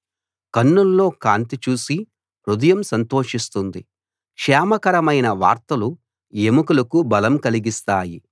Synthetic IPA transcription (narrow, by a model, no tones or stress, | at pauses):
kɐnːulːo̞ːkaːnt̪it͡ʃuːsi | pɾud̪ɐjɐmsɐnt̪o̞ːʂist̪und̪i | kʂɛːmɐkɐɾɐmɐjnɐʋa̰ːɾt̪ɐlu | jemukulɐkubɐlɐmkɐliɡist̪aːji